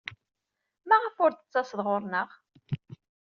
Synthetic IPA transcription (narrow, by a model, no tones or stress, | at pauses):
maʁəfʊɾt̪ə̥t͡sːɑsðʁoɾˤnəʁ